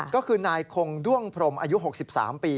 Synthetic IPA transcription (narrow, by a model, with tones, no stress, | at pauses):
kɔː˥˩kʰɯː˧naː˧jkʰo˧ŋdu˥˩əŋpʰɾo˧mʔa̰ː˧ju˦˥ɦo˨˩k̚si˨˩p̚sa̰ː˩˦mpiː˧